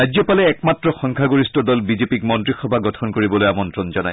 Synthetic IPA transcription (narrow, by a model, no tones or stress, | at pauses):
ajzɔpalɛːkmatɹɔxɔ̃ŋkʰaɡoɹistɔdɔlbizepik̚mɔntɹixɔbʱaɡɔtʰɔnkoɹibɔlojamɔntɹɔnzɔna̰j